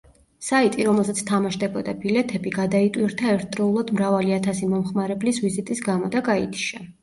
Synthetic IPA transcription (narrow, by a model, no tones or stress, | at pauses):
sait̪ʼiɾɔmɛlˠsat̪sʰt̪ʰamaʃd̪ɛbɔd̪abilɛt̪ʰɛbiɡad̪ait̪ʼwiɾt̪ʰaɛɾt̪̚ʰd̪ɾɔulˠad̪mɾavaliat̪ʰasimɔmχmaɾɛblisvizit̪ʼisɡamɔd̪aɡait̪ʰiʃa